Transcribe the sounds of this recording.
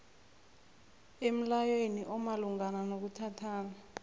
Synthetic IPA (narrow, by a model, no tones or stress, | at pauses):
em̩lajweniʔɔmaluŋananok̬utʰatʰaːna